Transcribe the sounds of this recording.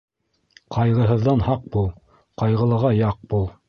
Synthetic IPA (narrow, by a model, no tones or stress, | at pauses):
qɑjʁɤ̆ɦɤ̆ðːɑnhɑq̚bulˠ | qɑjʁɤ̆lˠɤ̆ʁɑjɑq̚bulˠ